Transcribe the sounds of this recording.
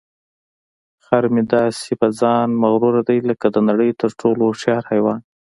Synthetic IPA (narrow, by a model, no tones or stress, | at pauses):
xaɾmɪd̪ɑsebazɑnmaɣɾuɾad̪ajləkad̪ənaɽəjt̪əɾʈʰoloʃɑɾhajwɑn